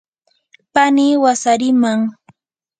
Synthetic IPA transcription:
paniwasaɾɪmaŋ

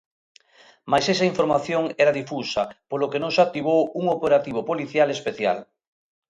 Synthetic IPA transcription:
majsesaiɱfoɾmaθjoŋɛɾaðifusapolokenõŋsak̚t̪iβ̞owuŋopeɾat̪iβopoliθjalespeθja̰l

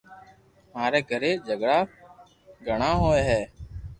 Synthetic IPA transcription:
maːɾeːɡʱəɾeːd͡ʒʱəɡɽaː | ɡʱəɳaːɦoːeːɦɛː

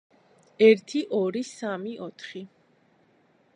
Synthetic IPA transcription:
ɛɾt̪ʰiʔɔɾisamiʔɔt̪ʰχi

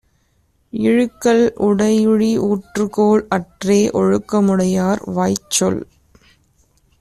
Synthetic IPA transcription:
ɪɻɯkːɐlʊɽɐɪjɯɻiʔuːʈrɯkoːɭɐʈreːʔɔɻɯkːɐmɯɽɐjaːɾʋaːjt͡ʃːɔl

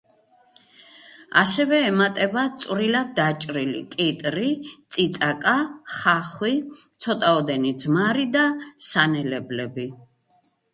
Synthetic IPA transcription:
asɛvɛːmat̪ʼɛbat̪sʼwɾilad̪̚dːat͡ʃʼɾilḭkʼit̪ʼɾit̪sʼit̪sʼakʼaχaχwit̪sʰɔt̪ʼaɔd̪ɛnid̪zmaɾid̪asanɛlɛblɛbi

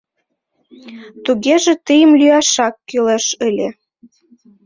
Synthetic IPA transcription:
t̪uɣeʒĕt̪əjə̆mlyɑʃɑkːyleʃə̆lʲe

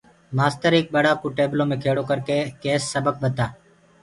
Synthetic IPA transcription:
maːst̪əɾeːk̚ɓəɽaːkuːʈeːblõːmẽːkʰeːɽoːkəɾkeːkeːsːəbək̚bət̪aː

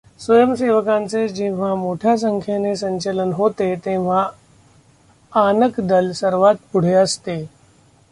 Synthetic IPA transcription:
sʋəjəmseʋəkãnt͡sed͡ʑĩʋ̤amoʈʰjas̬əŋkʰjanesəɲt͡ɕələnɦot̪et̪ẽʋ̤a | anəkd̪əlsəɾʋat̪̚puɽ̤eəst̪e

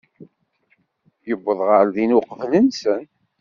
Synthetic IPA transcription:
jəbːəðˤʁəɾðinuqvlənsən

